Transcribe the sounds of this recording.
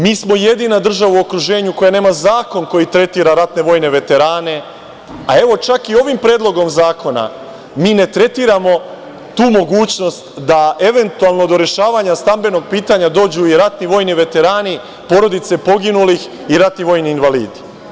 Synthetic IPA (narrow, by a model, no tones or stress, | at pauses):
miːsmo̞je̞d̪iːnad̪r̩ʒaʋauo̞kɾuʒe̞ːɲuko̞jane̞ːmazaːko̞nko̞jit̪ɾe̞t̪iːɾaɾat̪ne̞ʋo̞ːjne̞ʋe̞t̪e̞ɾaːne̞ | a̰e̞ʋo̞t͡ʃakio̞ʋimpɾeːd̪lo̞ɡo̞mzaːkʰo̞na̰ | miːne̞t̪ɾe̞t̪iːɾamo̞ | t̪uːmo̞ɡuːt͡ɕno̞st̪d̪aʔe̞ʋe̞nt̪ualˠno̞d̪o̞ɾe̞ʃaːʋaɲast̪ambe̞no̞ɡ̚piːt̪aɲad̪o̞ːd͡ʑuiɾat̪niʋo̞ːjniʋe̞t̪e̞ɾaːni | po̞ɾo̞d̪it̪se̞po̞ɡinulix | iɾat̪niʋo̞ːjniːnʋalḭːd̪i